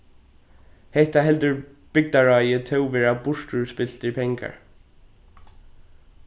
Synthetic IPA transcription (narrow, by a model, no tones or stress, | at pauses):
hɛht̪aɦɛlt̪ʏɹ | b̥ɪk̚t̪aɹɔjət̪ʰœwʋɛːɹabʊʂt̪uɹspɪl̥t̪ɪɹpʰɛŋka̰ɹ